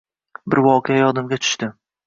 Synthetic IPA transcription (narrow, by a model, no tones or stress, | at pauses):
bɪɾvɒqʰejajɒd̪ɪmɡʲat͡ʃ̪ʰʊ̥ʃt̪ɪ